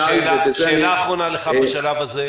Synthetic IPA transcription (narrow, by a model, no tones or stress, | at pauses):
laeːlaːχʁonaleχabeʃalavaze